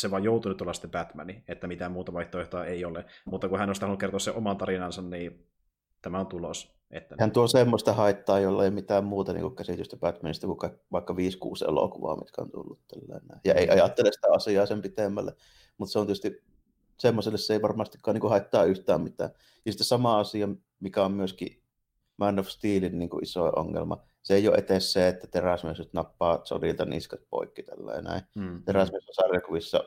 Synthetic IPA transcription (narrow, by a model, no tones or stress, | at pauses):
seʋɑjoˑut̪unyt̪uolːɑsi̥t̪ːepæt̪mæniet̪ːæmit̪æmmuːt̪ɑʋɑˑiht̪oeht̪oɑeiolemut̪ːɑkuhænoˑist̪ɑhɑnukert̪oɑseʔomɑnt̪ɑrinɑnsɑnniː | t̪æmæont̪ulos | ʔḛt̪ːæhænt̪uosemːost̪ɑhɑˑit̪ːɑːjolːɑjmit̪æːmmuːt̪ɑnḭːŋkukkæsit̪yst̪æpæt̪mænist̪ækukɑˑikʋɑˑikːɑʋiːskṵːsḛlo̰kuʋɑ̰ːmḭt̪kæo̰nt̪ṵlːut̪t̪ælːæ̰enːæˑejɑeˑiʔɑjɑt̪ːelesi̥t̪æɑsiˑɑːsempit̪emːæ̰lːḛ | mut̪seonit̪ːˑys̆t̪ | semːoselːeseeˑiʋɑrmɑst̪ikːɑniŋkuhɑˑet̪ːɑːʔʔyht̪æːmmit̪æ̰ː | jɑsit̪ːesɑmɑɑsijɑ | mikæommyøskḭ | mænːofst̪iːlinniːŋkṵʔʔisoˑeʔo̰ŋːḛlmɑ̰ | seeˑijo̰ʔet̪esseet̪ːæt̪eræsmiøsyt̪nɑpːɑːso̰lilt̪ɑnḭskɑt̪̚po̰ˑikːit̪ælːæ̰ˑḛnæ̰ˑit̪eræsmiesːæsɑrjɑkuʋisːɑ̰